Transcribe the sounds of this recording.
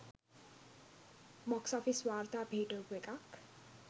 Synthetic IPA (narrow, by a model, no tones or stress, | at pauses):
mʌksʌpʰiswart̪abʱiɖobwekak